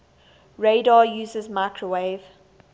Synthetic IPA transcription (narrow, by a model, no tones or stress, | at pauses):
ɹeɪdɑːjuːzəzmaɪkʰɹəweɪv̥